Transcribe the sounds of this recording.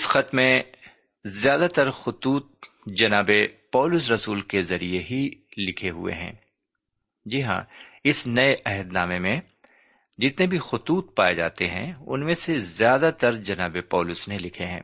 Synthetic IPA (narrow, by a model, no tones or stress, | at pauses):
ɪsxɐt̪mẽ | zjaːd̪at̪ɐɾxʊt̪uːt̪̚ | d͡ʒɐnaːbepɔːlʊsɾɐsuːlkezɐɾieɦilɪkʰeɦʊ̰ḛɦɛ̰̃ː | d͡ʒiɦã̰ɪsnɐeʔɐɦəd̪naːmemẽ | d͡ʒɪt̪nẽbʱixʊt̪uːt̪̚paːed͡ʒa̰ːt̪eɦɛ̰̃ʊ̰nmẽsezjaːd̪at̪ɐɾd͡ʒɐnaːbepɔːlʊsnelɪkʰeɦɛ̰̃ː